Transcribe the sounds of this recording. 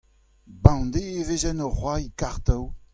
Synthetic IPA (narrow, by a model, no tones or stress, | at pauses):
bɑ̃d̪eevezɛnɔχwaikaʁt̪aw